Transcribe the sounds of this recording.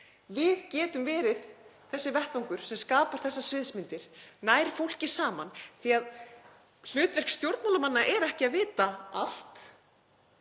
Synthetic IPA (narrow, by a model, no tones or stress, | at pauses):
vɪðcɛːt̪ʏmvɛːɾɪð | θɛsːɪvɛht̪vaŋkʏɾ̥sɛmskaːpaɾ̥θɛsːasvɪðsmɪnt̪ɪɾ̥naːjɾfowl̥cɪ̥saːmanθiað | l̥ʏːt̪vɛr̥kst̪jowɾt̪nmalamanːaʔɛɾɛhcɪaðvɪːt̪aal̥t̪